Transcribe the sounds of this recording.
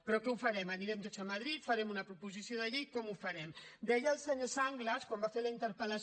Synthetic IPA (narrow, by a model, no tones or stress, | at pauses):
pɾɔkɛufaɾɛməniɾɛmt̪ot͡səmaðɾit̪fɐɾɛmunɐpɾupuzisijoðɐʎikɔmufaɾɛmd̪ɛjəlˠseɲosaŋɡləskombafeləint̪əɾpəlas